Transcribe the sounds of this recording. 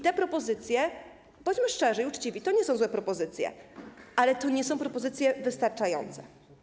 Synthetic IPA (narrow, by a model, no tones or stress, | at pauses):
t̪ɛpɾɔpɔzɘt̪sʲjɛ | bɔɲd͡ʑmɘʂt͡ʂɛʐɛiut͡ʂt͡ɕivʲit̪ɔɲɛsɔ̃w̃zwɛpɾɔpɔzɘt̪sʲjɛ̰ʔalɛt̪ɔɲɛsɔ̃w̃pɾɔpɔzɘt̪sʲjɛvɘst̪aɾt͡ʂajɔ̰nt̪sɛ